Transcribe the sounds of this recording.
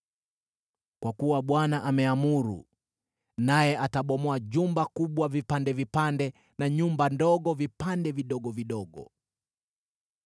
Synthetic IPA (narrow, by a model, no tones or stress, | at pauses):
kwakuwaɓwanaʔamɛamuɾṵ | najɛʔataɓɔmɔaʄumbakuɓwavipandɛvipandɛ | naɲumbandɔɠɔvipandɛviɗɔɡɔviɗɔɡɔ̰